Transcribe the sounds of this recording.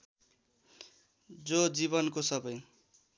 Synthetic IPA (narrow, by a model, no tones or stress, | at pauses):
d͡zod͡zibʌnkosʌbʌj